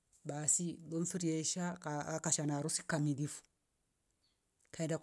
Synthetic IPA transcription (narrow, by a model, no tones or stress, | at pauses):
basilon̩fiɾiɛʃakakaʃanaɾusi̥kamidifu̥ | kʰaɛndak